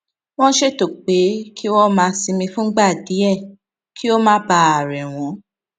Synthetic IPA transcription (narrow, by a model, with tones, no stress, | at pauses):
w̃ɔ̃˦ʃe˦˨to˨k͡pe˨˦kʰi˦wɔ̃˦mãː˧si˧mĩ˧fũ˦ɡ͡ba˦˨di˨˦ɛ˦˨ | kʰi˦o˦mãː˦ba˧˦a˨ɾɛ˨w̃ɔ̃˨˦